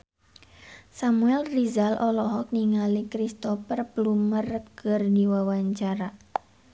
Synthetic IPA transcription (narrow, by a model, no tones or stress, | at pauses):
samuɛlrizalʔɔlɔɦɔk̚niŋalikɾist̪ɔfərplumərkɨrdiwawaɲt͡ʃaɾa